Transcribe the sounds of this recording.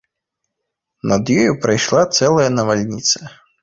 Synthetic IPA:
nɐd̪jɔjupɾɐjʂlˠat̪sɛlˠɐjɐnɐʋalʲnʲit̪sɐ

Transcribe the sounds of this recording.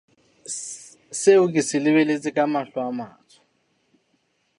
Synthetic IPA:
seʊk̬ʼisɪlɪβɛlet͡sʼɪkʼamaɬwama̰ːt͡sʰɔ̥

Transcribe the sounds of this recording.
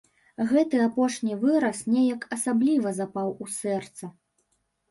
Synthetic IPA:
ɣɛt̪ɨapɔʂnʲivɨɾɐsnʲɛjɐkɐsablʲivɐzapawusɛrt̪sɐ

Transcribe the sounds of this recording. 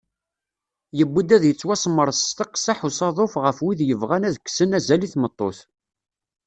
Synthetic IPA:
jəbːud̪æðjət͡sːwæsmːəɾˤst̪ɑqsaħusɑðˤofʁəfwiðjəvʁænæðəkːsənæzæliθmət̪ˤːo̰θ

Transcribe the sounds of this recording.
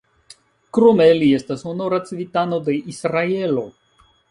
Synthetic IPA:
kɾo̞me̞lie̞stashonoɾat͡sivitano̞de̞ʔisɾae̞lo̞

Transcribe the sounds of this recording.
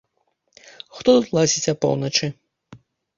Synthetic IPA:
xt̪ɔt̪ut̪lˠasʲit͡sʲɐpɔ̰wnɐt͡ʂɨ

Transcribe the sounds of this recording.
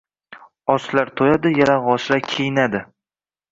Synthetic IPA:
ɒslaɾt̪ʰojad̪ɪjaɾaʁɒʃɾakʲʰejɪnad̪ɪ

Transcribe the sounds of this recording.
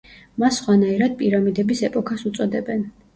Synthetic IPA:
masːχwanaiɾad̪̚pʼiɾamid̪ɛbisɛpʼɔkʰasut̪sʼɔd̪ɛbɛn

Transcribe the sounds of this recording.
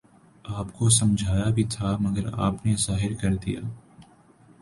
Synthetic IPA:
aːpkosɐ̃md͡ʒʱaːjabʱit̪ʰamɐɡəɾa̰ːpnezaːɦɪɾkɐɾd̪ḭja̰ː

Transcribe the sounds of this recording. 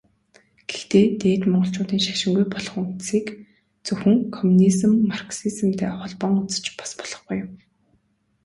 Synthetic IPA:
ɡ̥ext̪eːt̪eːt̪mɔɴɢɞ̆ɬt͡ɕʊːt̪iːnʃḁʃɪ̆ŋɡujpɔɮɞ̆χunt̪siːk | t͡sɵxɘ̆ŋkʰɔmunizɘ̆mːarksiz̆mt̪ʰæːχɔɮpɔːŋut͡sə̥̆t͡ɕpɔ̥spɔ̥ɮ̥ɞ̆χɡujm

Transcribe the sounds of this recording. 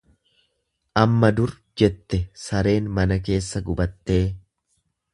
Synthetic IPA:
ʔɐmːɐd̪ʊɾ | d͡ʒɛt̪ːɛsɐɾe̞ːnmɐnɐk̬e̞ːsːɐɡʊbɐt̪ːe̞ː

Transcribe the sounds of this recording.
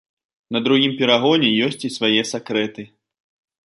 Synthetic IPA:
nɐd̪ɾuɣʲimpʲɛɾaɣɔnʲɛjɔsʲt͡sʲisvajɛsakɾɛt̪ɨ

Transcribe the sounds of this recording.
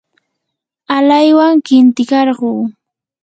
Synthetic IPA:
alajwaŋkɪnt̪ɪkɑɾɢuː

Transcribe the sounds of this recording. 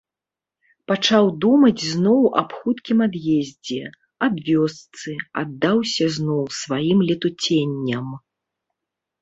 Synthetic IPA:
pat͡ʂawd̪umɐd͡zʲznɔwɐ̰pxut̪kʲimad̪jezʲd͡zʲɛ | abvʲɔst̪sɨa̰d̪ːawsʲɐznɔwsvajimlʲɛt̪ut͡sʲenʲːɐm

